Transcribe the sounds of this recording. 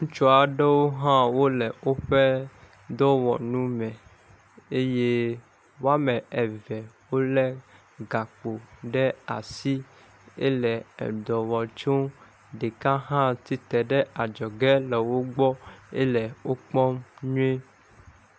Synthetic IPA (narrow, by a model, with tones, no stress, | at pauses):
ŋũ˦t͡ʃɔ˦a˨ɖɛ˦wo˦ɦã˦wo˦lɛ˨wo˦ɸɛ˦ | d̪ɔ˦wɔ̰˨nũ˦mɛ̃˨ | e˦je˦ | wo˦a˦mɛ̃˨ɛ˨vɛ˨wo˦lɛ˦ | ɡa˨k͡po˨ɖɛ˦a̰˨si˦ | ḛ˦lɛ˨ɛ̰˨d̪ɔ˨wɔ˨t͡ʃo˦ | ɖe˨kã˦ɦã˦t̪i˦t̪ɛ˨ɖɛ˦a˨d͡ʒɔ˨ɡɛ˦lɛ˨wo˦ɡ͡bɔ˦e˦lɛ˨wo˦k͡pɔ˦mɲũ˦e˦